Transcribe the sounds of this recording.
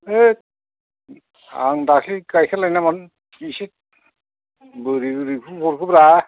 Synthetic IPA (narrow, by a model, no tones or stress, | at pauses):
e | a̰ŋdakʰikajkʰalajnaman | isit̚ | bɯɾiɾibʰubɔɾkʰɯbɾa